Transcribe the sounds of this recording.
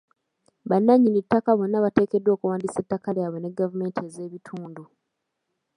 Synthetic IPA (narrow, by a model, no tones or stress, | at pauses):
βanːaɲːinitːakaβo̞nːaβate̞ːke̞dwo̞ːkuwaːndisetːakaljaβwe̞ne̞ɡːavume̞ːntieze̞ːβitʰuːndu